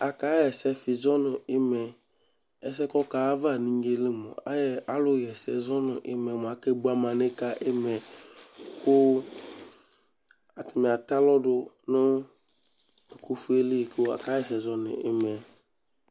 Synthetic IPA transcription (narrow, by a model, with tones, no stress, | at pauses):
a˨ka˨˦jɛ˨sɛ˦fɪ˨zɔ˦nɪ˨ɪ˦mɛ˨ | ɛ˨s̬ɛ˦kɔ˦ka˨˦va˦˨nĩ˦ŋ˦ɡe˦lɪ˦mɔ̰˨a˨jɛ˨a˦lʊ˦jɛ˨sɛ˦zɔ˦nɪ˨ʔɪ̰˦mɛ˨mʊ˨a˨kɛ˦bu˦a˦mã˨ne˦ka˦ʔɪ˦mɛ˨ | kʊ˦ | a˨tɪ˨me˨a˨t̪a˦lɔ˦dʊ˦ | nʊ˦ | e˨kʰo˦fu˦e˦le˦˨kʊ˦a̰˨ka˨˦jɛ˨s̬ɛ˨zɔ˦nɪ̰˨ɪ̰˦mɛ˨